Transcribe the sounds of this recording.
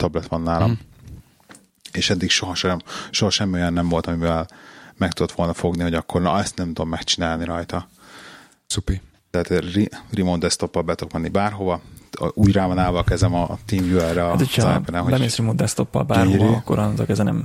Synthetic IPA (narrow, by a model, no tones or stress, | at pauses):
t̪ɒblɛt̪ʋɒnːaːlɒm | eːʃɛd̪ːikʃo̞ɦɒʃɛmʃo̞ɦɒʃɛmːio̞jɒnːɛmvo̞lt̪ɒmivɛlmɛk̚t̪ud̪o̞t̪ʋo̞lnɒfo̞ɡniho̞ɟɒkːo̞rnɒ̰ɛst̪nɛmt̪ud̪omːɛkt͡ʃinaːlniɾɒjt̪ɒ | supi | t̪ɛɦaːt̪ririmoːnd̪ɛst̪o̞pːɒlbɛt̪okmɛnːibaːrɦo̞vɒʔuːɟraːvɒnaːvɒkɛzɛmɒt̪iːmjuɛrːɛɒt̪oa̰pɛɾɛhɦobɛmesɾimond̪ɛst̪opːɒ̰lbaːɾokːoɾont̪okɛzɛnɛ̰m